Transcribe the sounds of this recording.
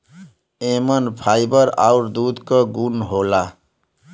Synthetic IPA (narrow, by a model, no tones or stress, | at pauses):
emənpʰajibəɾa̰ʊɾd̪ud̪kəɡunɦola